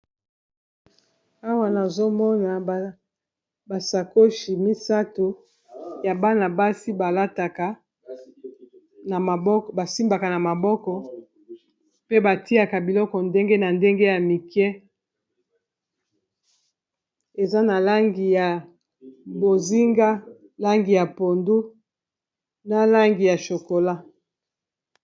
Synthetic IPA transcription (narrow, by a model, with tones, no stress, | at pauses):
a˦wa˦na˨zo˦mɔ˦na˨ | ba˨sa˨ko˦ʃi˨mi˦sa˦to˨ | ja˨ba˦na˨ba˦si˦ba˨la˦ta˨ka˦ | na˨ma˨bba˨si˦mba˨ka˨na˨ma˨bɔ˦kɔ˨ | pe˦ba˨ti˦a˨ka˨bi˨lɔ˦kɔ˨nde˦ŋɡe˦na˨nde˦ŋɡe˦ja˨mi˨kɛ˦ | e˨za˦na˨la˦ŋɡi˨ja˨ | bo˨zi˦ŋɡa˦ | la˦ŋɡi˨ja˨po˨ndu˦ | na˨la˦ŋɡi˨ja˨ʃo˨ko˨la˦